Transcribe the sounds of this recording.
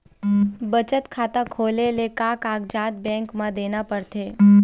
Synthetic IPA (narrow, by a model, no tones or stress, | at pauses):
bət͡ʃət̪kʰaːt̪akʰoːlelekãːkaːɡd͡ʒaːt̪̚bɛ̃ːŋkmãd̪eːnapəɽt̪ʰeː